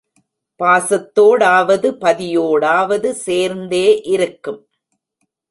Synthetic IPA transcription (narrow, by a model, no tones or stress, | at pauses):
paːsɐt̪ːoːɽaːʋɐðɯpɐðɪjoːɽaːʋɐðɯseːɾnd̪eːʔɪɾɯkːɯm